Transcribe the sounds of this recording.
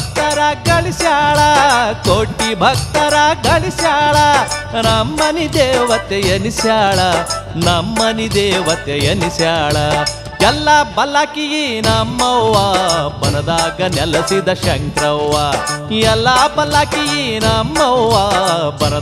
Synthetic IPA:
t̪ɐɾɐɡɐɭisjaːɭɐkoʈibʱɐk̚t̪ɐɾaɡɐɭisjaːɭɐnɐmːɐnid̪eːʋɐt̪ejɐnisjaːɭɐnɐmːɐnid̪eːʋɐt̪ejɐnisjaːɭɐ | jɛlːɐbɐlakijinɐmːɐwʋabɐnɐd̪aːɡɐnɛlɐsid̪ɐʃɐŋkɾɐwːajɛlːabɐlakijinɐmːɐwʋaːbɐnɐ

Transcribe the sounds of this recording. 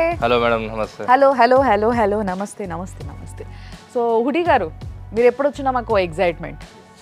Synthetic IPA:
hɛloːmɛːɽɐmnɐmɐst̪ehɐloɦɐloːɦɛloːɦɐloːnɐmɐst̪enɐmɐst̪enɐ̰mɐst̪ʰesoːɦuɽiɡaːɾumiːɾepːɐɽot͡ʃunːɐmakoeksajʈmḛɳʈ

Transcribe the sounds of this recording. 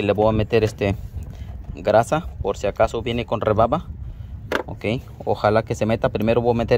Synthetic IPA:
ileβoame̞t̪eɾest̪e | ɡɾasapoɾsiakasoβje̞neko̞nreβaβa | o̰kej | o̰xalake̞se̞me̞t̪apɾime̞ɾoβoamet̪e

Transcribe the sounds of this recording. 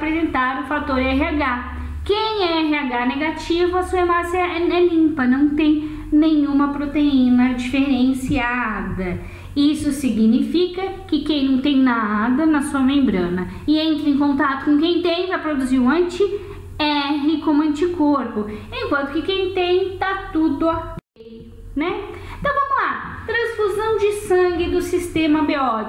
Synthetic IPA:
apɾezẽnt̪aɾʊfat̪oɾɛɦeaɡa | kẽj̃ɛɛɦeaɡaneɡat͡ʃivʊɐsuɐmasiɐɛɛlĩmpɐnɐ̃w̃t̪ẽj̃ | nẽɲ̃ũmɐpɾot̪einɐd͡ʒifeɾẽsiad̪ɐ | isʊsiɡnifikɐkɪkẽj̃nɐ̃w̃t̪ẽj̃nad̪ɐnɐsuɐmẽmbɾɐ̃nɐ | ɪẽnt̪ɾɐẽkõnt̪at̪ʊ̥kõkẽj̃t̪ẽj̃ʒapɾod̪uziũɐ̃t͡ʃɪ | ɛɦɪkõmʊɐ̃nt͡ʃikoɾpʊẽkwɐ̃nt̪ʊ̥kɪkẽj̃t̪ẽj̃t̪at̪ud̪ʊapejʊ | nɛ̃ | t̪ɐ̃w̃vɐ̃mʊlat̪ɾɐ̃sfuzɐ̃w̃d͡ʒɪsɐ̃ɡɪd̪ʊsist̪ẽmɐbeɔt͡ʃ

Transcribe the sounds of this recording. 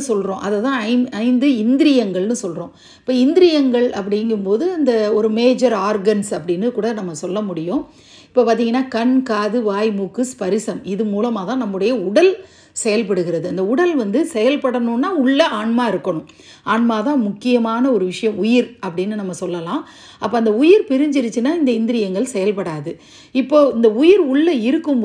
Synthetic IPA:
sɔlɾõːʔɐðɛt̪ãːɐɪɐɪnd̪ɯɪnd̪ɪɾɪjɐŋɡɐɭnɯsɔlɾõː | ɪpːoːɪnd̪ɪɾɪjɐŋɡɐɭɐp̬ːɐɽɪŋɡɯmpoːðɯɐnd̪ɐɔɾɯmeːd͡ʒɐɾaːɾɡɐnsɐpːɐɽɪnːɯkuːɽɐnɐmːɐsɔlːɐmʊɽɪjʊ̃ː | ɪpːoːpaːt̪iŋɡɐnːaːkɐnkaːðɯʋaːjmuːkːɯspɐɾɪsɐmɪðɯmuːlɐmaːt̪ãːnɐmːɯɽɐjɐʊɽɐl | sɛjɐlp̬ɐɽɯɣɪɾɐðɯɐnd̪ɐʊɽɐlʋɐnd̪ɯsɛjɐlpɐɽɐnʊ̃nːaːʊɭːɐaːɳmaːɪɾɯkːɐɳʊ̃ | aːɳmaːt̪ãːmʊkːɪjɐmaːnɐɔɾɯʋɪʂɐjɐ̃mʊjɪɾɐpːɐɽɪnːɯnɐmːɐsɔlːɐlãː | ɐpːoːɐnd̪ɐʊjɪɾpɪɾɪɲd͡ʒɪɾɯt͡ʃːɯnːaːɪnd̪ɐɪnd̪ɪɾɪjɐŋɡɐɭsɛjɐlpɐɽaːðɯ | ɪpːoːɪnd̪ɐʊjɪɾʊɭːɐɪɾɯkːɯm

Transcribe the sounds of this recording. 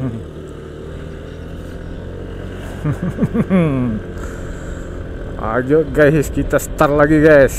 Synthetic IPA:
a̰d͡ʒoʔɡajskit̪asə̥t̪arlaɡiɡajs

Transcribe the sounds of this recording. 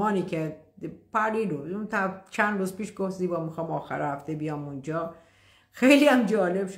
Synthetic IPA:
ɒːniːkʰepæɾiːdount̪ʰæt͡ʃʰænd̪ɾuːzpiːʃɡofziːbɒːmixɒːmɒːxæ̰ɾhæft̪ʰebijɒːmund͡ʒɒː | xejliæmd͡ʒɒːlebʃ

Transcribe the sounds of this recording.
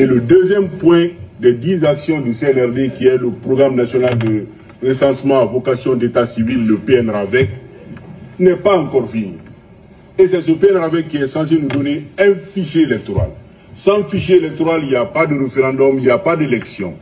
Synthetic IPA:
eləd̪øzjɛmpwɛ̃d̪ɛd̪izaksjɔ̃d̪əseɛnɛʁd̪ekiɛləpʁoɡʁamnasjɔnald̪ə | ʁesɑ̃smɑ̃avokasjɔ̃d̪et̪asivilːəpeɛnɾavɛk | nɛpaɑ̃kɔʁfini | esɛsəpeɛnavɛk̚kːiɛsɑ̃s̬enud̪ɔneɛ̃fiʃeelɛk̚t̪oɾa̰l | sãfiʃeelɛk̚t̪oʁalilijapad̪əɾefeʁɑ̃d̪ɔmiljapad̪elɛksjɔ̰̃

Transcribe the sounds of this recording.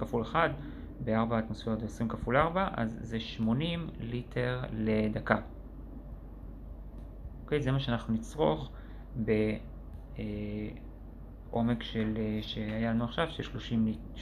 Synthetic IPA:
kafuleχad | be̞aʁbaːtmosfeot̪veosʁimkafulaʁbaʔa̰zːeʃmo̞nimlitʰe̞ʁle̞daka | oke̞jzemaʃeanaχnunit͡sʁo̞̰χ | be̞ | ʔo̞me̞kʃelʃe̞ajalanuaχʃavʃeʃloʃimlit

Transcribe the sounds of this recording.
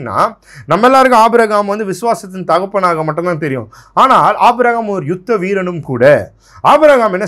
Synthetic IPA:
nːa̰ː | nɐmːɛlːaːɾɯkʊ̃aːbɯɾaɣaːmʋɐnd̪ɯʋɪsʊʋaːsɐt̪ːɯnt̪ɐɣɐpːɐɳːaːɣɐmɐʈːnt̪aːnt̪ɛɾɪjʊ̰̃ | aːnaːlʔaːbɯɾaːɣaːmɔɾɯjʊt̪ːɐʋiːɾɐnɯmkuːɽɐ | aːbɯɾaːɣaːmɛnːɐ

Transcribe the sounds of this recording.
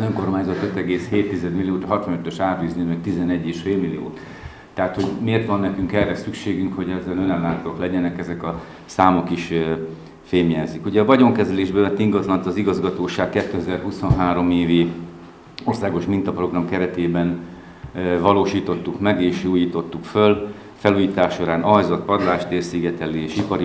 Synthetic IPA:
zøŋko̞rmaːɲzɒt̪ø̞t̪ɛɡeːsheːt̪ːizɛd̪milːijoːt̪ɦɒt̪ʋɒnøt̪øʃaːt̪yːznimɛk̚t̪izɛnɛɟːeːʃfeːlmilḭjo̰ːt̪ː | ɛɦat̪ho̞ɟmeːrt̪ʋɒnːɛkyŋkɛrːɛsykʃeːɡyŋkho̞ɟɛzːɛlø̞nɛlːaːt̪oklɛɟɛnɛkɛzɛkɒ | saːmo̞kiʃ | feːmjɛzikuɟɛɒvɒɟo̞ŋkɛzɛleːʒbɛvɛnt̪ːiŋɡɒzlɒnt̪ɒziɡɒzɡɒt̪oːʃaːkkɛt̪ːøɛzɛrɦuso̞nɦaːɾo̞meːvi | o̞rsaːɡo̞ʃmint̪ɒpro̞ɡrɒmkɛɾɛt̪eːbɛn | vɒloːʃiːt̪o̞t̪ːukmɛɡeːʃuːjiːt̪o̞t̪ːukføl | fɛluːjiːt̪aːʃːo̞ɾaːnɒjzɒt̪pɒd̪laːʃt̪eːrsiɡɛt̪ɛlːieːʃipɒɾi

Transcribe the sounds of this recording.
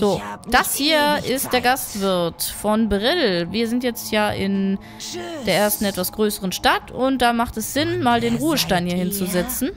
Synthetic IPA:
z̥oːd̥ashiːɐɪst̚d̥eːɐɡastv̥ɪɐtfɔnbəʁɪlviːɐzɪntjɛt͡stjaːʔɪn | d̥eːɐeːɐstn̩ɛtv̥asɡ̥ʁøːsəʁənʃtatʊnt̚d̥aːmaχtɛsz̥ɪnmaːldeːnʁuːəʃtaɪnhiːɐɪnt͡suzɛt͡sn̩

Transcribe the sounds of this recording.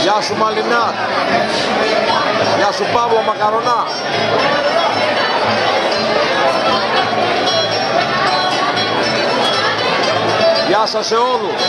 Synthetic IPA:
jasumalinat | jasupabuamakaɾɔna | jasasɛɔlɔ

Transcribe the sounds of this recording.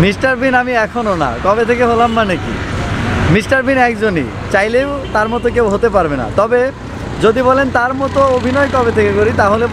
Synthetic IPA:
misʈaɾbʱinamiɛkʰonona̰kɔbet̪ʰekeɦolamːanekḭ | misʈaɾbʱinɛkd͡ʑonḭ | t͡ɕajlewt̪aɾmɔt̪ok̬ewɦot̪epaɾbena̰t̪ɔbe | d͡ʑod̪ibɔlent̪aɾmɔt̪oobʱinɔekɔbet̪ʰekekoɾit̪aɦole

